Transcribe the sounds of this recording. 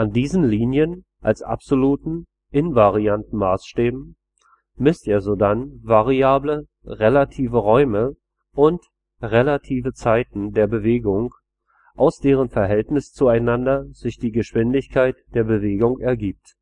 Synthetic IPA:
ʔandiːzn̩liːnjən | ʔalsʔa̰pz̥oluːtn̩ | ʔɪnvaʁiantn̩maːsʃtɛːbm̩ | mɪstʔeːɐzodanvaʁiaːblə | ʁelatʰiːvəʁɔʏmə | ʔʊnt | ʁelatʰiːvət͡saɪtn̩deːɐbəveːɡʊŋ | ʔaʊsd̥eːʁ̞ənfɛɐɦɛltnɪst͡suaɪnandɐz̥ɪçd̥iːɡəʃv̥ɪndɪçkʰaɪtd̥eːɐbəveːɡʊŋʔɛɐɡiːp̚t

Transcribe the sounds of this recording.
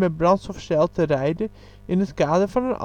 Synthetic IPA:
mɛbrɑntsɔfsɛlˠtərɛjdə | ɪnɦətkaːdəɹvɑnənʔɑ̰

